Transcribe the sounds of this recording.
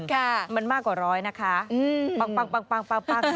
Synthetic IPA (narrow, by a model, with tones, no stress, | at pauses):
kʰa˥˩ma˧˥˧nmaː˥˩kːwaː˨˩ɾɔː˦˥jna˦˥kʰa˦˥ʔɯː˧pa˧ŋpa˧ŋpa˧ŋpaː˧ŋpa˧ŋpa˧˩